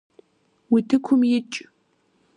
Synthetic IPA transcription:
witʰɨkʷʰʊmjɪt͡ʃʼ

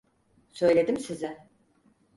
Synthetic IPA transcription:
sø̞jlʲe̞d̪imsizɪ

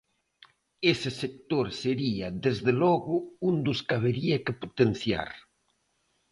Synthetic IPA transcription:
esɪsek̚t̪oɾseɾiɐðezðelɔɣʊund̪ʊskaβ̞eɾiɐkɪpot̪enθja̰ɾ

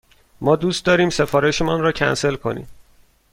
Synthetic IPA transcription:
mɒːd̪uːst̪d̪ɒːɾiːmse̞fɒːɾeʃemɒːnɾɒːcʰæ̰nse̞lkʰo̞nḭːm

